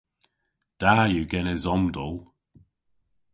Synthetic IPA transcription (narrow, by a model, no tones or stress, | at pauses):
d̪̥aːjuɡɛnəzɔmd̪ɔlˠ